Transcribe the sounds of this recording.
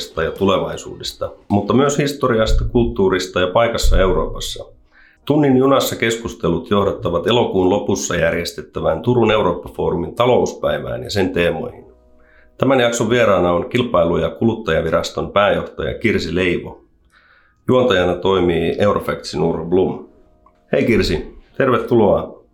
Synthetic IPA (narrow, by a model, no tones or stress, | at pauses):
st̪ɑjɑt̪ule̞ʋɑjsṵːdest̪ɑmut̪ːɑmyøshist̪o̞ɾiɑst̪ɑkult̪ːuːɾist̪ɑjɑpɑjkɑsːɑe̞wɾo̞ːpɑsːɑ | t̪unːinjunɑsːɑke̞skust̪e̞lut̪jo̞hdɑt̪ːɑʋɑt̪e̞lo̞kuːnlo̞pusːɑjærje̞st̪e̞t̪ːæʋæːnt̪uɾune̞wɾo̞ːpːɑfo̞ːɾumint̪ɑlo̞uspæjʋæ̰ːnjɑ̰se̞nt̪e̞ːmo̞̰jhin | t̪æmænjɑkso̞ʋʋieɾɑːnɑo̞ŋk̟ilpɑjlujɑkulut̪ːɑjɑʋiɾɑst̪o̞mpæːjo̞ht̪ɑ̰jɑ̰kirsile̞jʋo̰ | juont̪ɑjɑnɑt̪o̞jmiːe̞wɾʔofækt̪sinurblum | he̞jkirsit̪e̞rʋet̪ːuloɑ